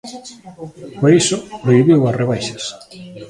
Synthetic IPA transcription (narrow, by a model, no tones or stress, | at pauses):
poɾisʊpreiβiwasreβajʃɐs